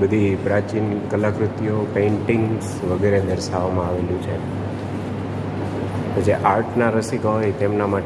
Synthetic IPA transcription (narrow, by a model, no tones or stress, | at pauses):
bəd̪ʱipɾat͡ʃinkəlakɾʊt̪jopẽːɳʈiŋɡs | ʋəɡeɾed̪əɾʃaʋamãaʋeljũt͡ʃʰe | t̪od͡ʒeʔaɾʈʰnaɾəsikɦojt̪emnama